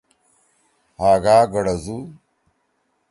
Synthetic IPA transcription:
haːɡaːɡɐɽɐzu

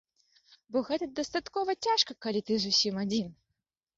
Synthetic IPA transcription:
bɔɣɛt̪ɐd̪ɐst̪at̪kɔvɐt͡sʲaʂkɐkɐlʲit̪ɨzusʲimɐdʲin

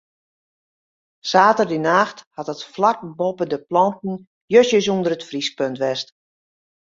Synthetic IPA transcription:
saːtərdinaːxthatətflak̚bopədəplɑntn̩ | jøsjəsundəɾətfris̚pøntʋɛst

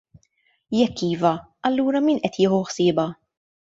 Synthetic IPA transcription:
jɛkːiːvɐ | ɐlːuːɾɐmiːnʔɛt̪jɪːħuħsɪːbɐ

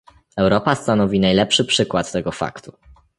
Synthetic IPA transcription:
ɛwɾɔpast̪anɔvʲinajlɛpʂɘpʂɘkwat̪ːɛɡɔfa̰kt̪u

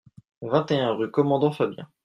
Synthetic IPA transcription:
vɛ̃t̪eɛ̃ʁykɔmɑ̃d̪ɑ̃fabjɛ̰̃

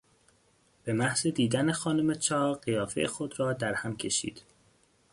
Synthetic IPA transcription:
b̥emæhz̥ed̪iːd̪æne̞xɒːnomet͡ʃʰɒːɢijɒːfejexod̪ɾɒːd̪æɾhæmcʰe̞ʃḭːd̪̥

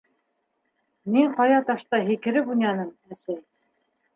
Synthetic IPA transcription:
miŋɴqɑjɑt̪ɑʃt̪ɑɦikɘ̆ɾɘbunjɑnɤm | æsæj

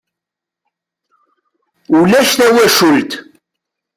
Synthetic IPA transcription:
ulæʃθæwæʃult̪

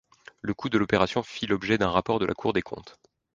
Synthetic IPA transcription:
ləkud̪əlɔpeʁasjɔ̃filɔbʒɛd̪ɛ̃ʁapɔʁd̪əlʔa̰kʰuʁd̪ekʰɔ̰̃t̪

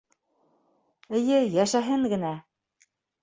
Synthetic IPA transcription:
ɘ̆jɘjæʃæɦɘŋɡɘ̆næ

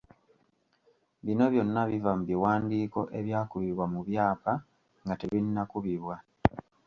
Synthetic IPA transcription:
βino̞βjo̞nːaβivamuβiwaːndiːko̞ʔe̞βjaːkuβiβwamuβjaːpa | ŋɡateβinːakuβiβwa

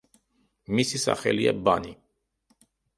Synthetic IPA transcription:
misisa̰χɛlia̰bani

